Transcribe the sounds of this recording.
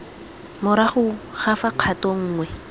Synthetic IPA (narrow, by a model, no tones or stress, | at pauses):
mʊɾaχʊχafaq͡χʰatoŋ̩ːŋwɛ